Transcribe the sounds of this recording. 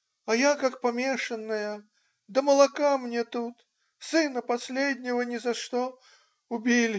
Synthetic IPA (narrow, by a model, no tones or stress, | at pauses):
ɐjakakpamʲeʂɐnːɐjə | d̪ɐmɐlˠakamnʲɛt̪ut̪ | sɨnɐpasʲlʲed̪ʲnʲɛvɐnʲɛzaʂt̪ɔ | ubʲilʲ